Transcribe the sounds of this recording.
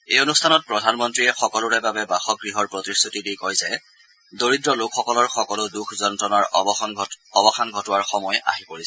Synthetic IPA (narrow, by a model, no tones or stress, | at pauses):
ejonustʰanɔt̚pɹɔdʱanmɔntɹiɛxɔkɔlʊɹɛbabɛbaxɔɡɹiɦɔɹpɹɔtistʰutidijkɔjzɛ | doɹidɹɔlokʰxɔkɔlɔɹxɔkɔlʊdukʰzɔntɹɔnaɹ | ɔbɔxanɡʱɔtʊwaɹxɔmɔja̰ɦipoɹis